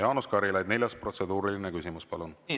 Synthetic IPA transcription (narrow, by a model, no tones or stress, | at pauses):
jɑːnuskɑɾilɑjd̪̚nelʲjɑspro̞t̪se̞d̪uːɾilinekysimuspɑlun